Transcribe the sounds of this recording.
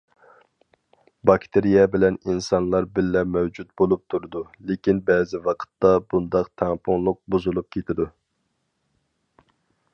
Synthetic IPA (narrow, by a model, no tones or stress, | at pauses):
bɑkʲt̪ʰeɾijɛbɪlɛninsɑnlˠɑɾbɪlːɛmɛwd͡ʒut̪̚bolˠup̚t̪ʰuɾɨd̪ulekʲinbɛːzɪwɑqʰə̥t̪ːɑbund̪ɑqt̪ʰɛŋpʰʊŋlˠʊq̚buzulˠup̚kʲʰet̪ʰɪd̪u